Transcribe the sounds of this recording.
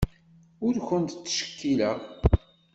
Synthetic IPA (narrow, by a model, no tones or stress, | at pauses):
ʊɾkʷənt̪t͡sːʃə̥kːilæʁ